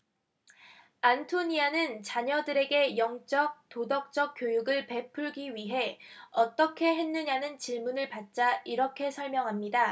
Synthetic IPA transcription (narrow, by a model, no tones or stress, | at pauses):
antʰoɲianɯnt͡ɕaɲʌdɯɾe̞ɡe̞jʌŋt͡ɕ͈ʌk̚t͈odʌk̚t͡ɕ͈ʌk̚k͈jojuɡɯɭpe̞pʰuɭɡiɥiɦe̞ʌt͈ʌkʰe̞ɦe̞nːɯɲanɯnt͡ɕiɭmunɯɭpat̚t͡ɕ͈aiɾʌkʰe̞sʰʌɭmjʌŋɦamɲida